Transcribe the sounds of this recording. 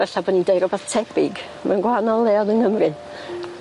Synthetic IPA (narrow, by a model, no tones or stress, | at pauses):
vɛɬabɔnindejɾɔbaθtʰɛbɪɡ | manɡwanɔlˠɛɔnɨnhəmrɨ